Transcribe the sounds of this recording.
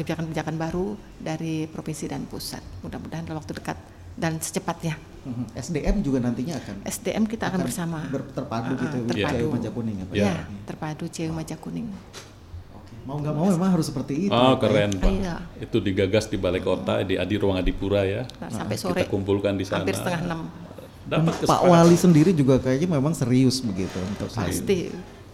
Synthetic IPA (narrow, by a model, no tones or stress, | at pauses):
ɡəbid͡ʒakanəbid͡ʒakanbaɾu | daɾipɾofinsidanpusa̰t̪̚mudamudaɦandalamwak̚t̪udəkat̪̚ | dansə̥t͡ʃəpat̪̚ɲa | ɛsdeʔɛmd͡ʒuɡanant̪iɲaːkanʔɛsdeʔɛmkit̪aːkanbərsamabət̪ərpaduɡit̪uərjpaadjuumad͡ʒakunɪŋapjaat̪ərpadut͡ʃiajumad͡ʒakunɪŋ | okemauŋɡaʔmaumemaŋɦaɾʊsːəpərt̪iːtkəɾɛnpaiait̪udiɡaɡasdibalekot̪adia̰diɾuaŋadipuɾajaasampɛsoiɾɛakumpulkandisanpɪsət̪əŋahnəm | dant̪kəpa̰ʔwalisəndiɾid͡ʒuɡakajaɲamemaŋsəɾiʊsbəɡit̪unt̪əpsa̰ist̪i